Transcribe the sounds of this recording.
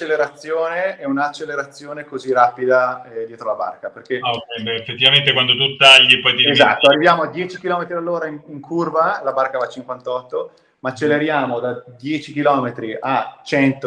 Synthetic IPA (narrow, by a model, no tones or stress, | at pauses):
at͡ʃelːeɾat̪sːjoːneɛunat͡ʃːelːeɾat̪sːjoːnekoziraːpid̪ad̪jɛːt̪ɾolaba̰rkaperk̟eaoɛnd̪eefet̪ːivament̪ekwand̪ot̪ut̪ːaʎːipɔjt̪iezat̪ːoarːivjaːmoad̪jɛːt͡ʃikilɔːmet̪ɾid̪alːoːɾaiŋiŋkʰurvalabarkavat͡ʃiŋkwant̪ɔt̪ːo | maːt͡ʃːelːeɾjaːmod̪ad̪jɛːt͡ʃik̟ilɔːmet̪ɾiʔat͡ʃɛnt̪o